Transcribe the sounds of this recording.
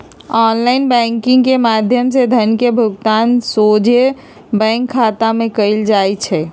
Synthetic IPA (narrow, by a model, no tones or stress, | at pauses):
ɔːnlaːɪnbɛ̃ːŋkɪ̃ŋɡkemaːd̪ʱjəmsed̪ʱənkebʱʊɡt̪aːnsoːd͡ʒʱe | bɛ̃ːŋkʰːaːt̪amẽkəɪld͡ʒaːit͡ʃʰɛ